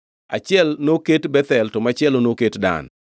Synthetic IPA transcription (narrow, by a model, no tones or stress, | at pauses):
a̰t͡ʃɪɛlnoketbɛt̪ɛltɔmat͡ʃɪɛlonoketda̰n